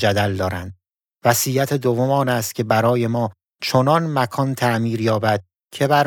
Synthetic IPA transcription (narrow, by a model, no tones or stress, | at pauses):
d͡ʒæd̪æld̪ɒːɾænd̪̚ | væsiːjæt̪ʰed̪ovːomɒːnæst̪cʰe̞bæɾɒːje̞mɒː | t͡ʃʰonɒnmækʰɒːnt̪ʰæʔmiːɾjɒːbæd̪̥̚ | cʰe̞bæɾ